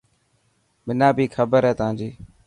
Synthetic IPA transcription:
mɪnãːbʱiːkʰəbəɾɦɛːt̪ãːd͡ʒiː

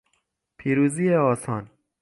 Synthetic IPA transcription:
pʰiːɾuːziːeɒːsɒːn

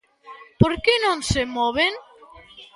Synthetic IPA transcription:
poɾkenõŋsemɔβeŋ

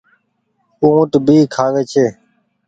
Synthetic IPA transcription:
ũːt̪bʱiːkʰaːʋeːt͡ʃʰeː

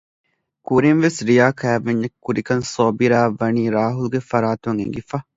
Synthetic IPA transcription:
kuɾinʋesɾijaːkæːʋeɲːɐkːuɾikɐnsoːbiɾaːʋːɐniːɾaːɦulɡefɐɾaːt̪uɐŋḛŋɡifɐ

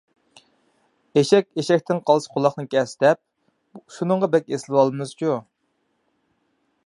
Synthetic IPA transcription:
eʃɛkʲeʃɛk̚ʲt̪ʰɪnqʰɑlˠɨsɨ̥qʰʊlˠɑχnɨkʲʰɛst̪ɛp̚ | ʃunɨɴʁɑbɛkʲeslɪwɑlˠɨmɨzd͡ʒu

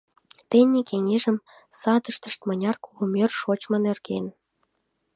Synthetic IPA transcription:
t̪enʲekeŋeʒə̆m | sɑd̪ə̆ʃt̪ə̆ʃt̪mɤ̆nʲɑrkulŭmerʃot͡ɕmə̆nerɣen

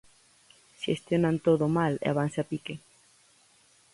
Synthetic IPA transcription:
ʃest̪jonant̪oðomalḛa̰βanseapike

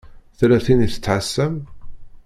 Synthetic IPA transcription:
θɾæθiniθə̥t͡sːħasːəm

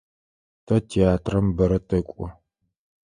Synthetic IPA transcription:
tʰɐtʰiaːtʰrɐmbɐɾɐtʰɐkʷʼɔ

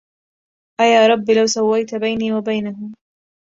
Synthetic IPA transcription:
ʔajaːɾˤɑbːlawsawːajt̪abajniːwabajnaɦʊm

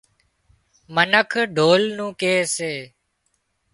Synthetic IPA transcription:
mənəkʰɖʱoːlnũːkeːseː

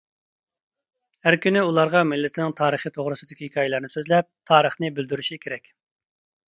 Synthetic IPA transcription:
hæɾkʲynɪulˠɑɾʁɑmɪlːɪt̪ʰɪnɪŋt̪ʰɑːɾəχit̪ʰoʁɾɨsɨd̪ɪkʲihɪkʲʰɑːjelˠɑɾnɨsøzlɛp̚t̪ʰɑːɾəχnɨbyld̪yɾyʃikʲʰeɾɛkʲ

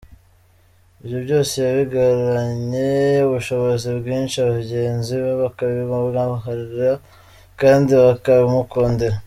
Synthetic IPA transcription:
iβjobɟo̞ːse̞jaβiɡaɾuɾaɲeuβuʃo̞βozibɡiːnʃiaβaɟe̞ːnziβaβakaβimuβɡaɦaɾiɾa | kaːndiβakaβimuko̞ːndeɾa

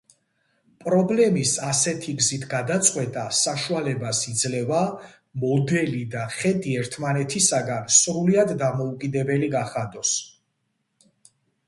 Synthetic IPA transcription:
pʼɾɔblɛmisasɛt̪ʰiɡzit̪ʰɡad̪at̪sʼqʼwɛt̪ʼasaʃualɛbasid̪zlɛva | mɔd̪ɛlid̪aχɛd̪ʼiɛɾt̪ʰmanɛt̪ʰisaɡansɾuliad̪ːamɔukʼid̪ɛbɛliɡaχad̪ɔs

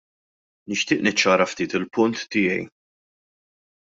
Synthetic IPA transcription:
nɪʃt̪ɪːʔnɪt͡ʃːɐːɾɐft̪iːt̪ɪlpʊnt̪ːɪːjɛ̰j

